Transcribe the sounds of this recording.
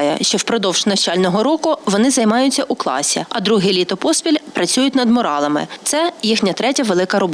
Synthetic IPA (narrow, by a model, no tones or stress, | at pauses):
jɛ̰ʃt͡ʃɔwpɾɔd̪ɔwʒ̥nɐwt͡ʃɑlʲnɔɦɔɾɔkʊʋɔnɪzɐjmɑjʊt͡sʲːɐʔuklˠɑ̰sʲḭɐd̪ɾuɦɪjlʲit̪ɔpɔspʲilʲpɾɐt͡sʲujʊtʲnɐd̪mɔɾɑlˠɐmɪ̰t̪sɛjixnʲɐt̪ɾɛtʲɐʋelˠɪkɐɾɔb